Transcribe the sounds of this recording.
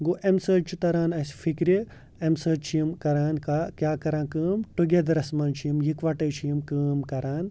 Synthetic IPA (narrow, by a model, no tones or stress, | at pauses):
ɡoʔemsəːt͡ʃʰut̪ɐɾaːnɐsfikɾe | emsəːt͡ʃʰijimkɐɾaːnkakʲjaːkɐɾãːnkəːmʈuɡed̪ɐɾɐsmɐnt͡ʃʰijimjikʋaʈɐːt͡ʃʰijimkəːmkɐɾaːn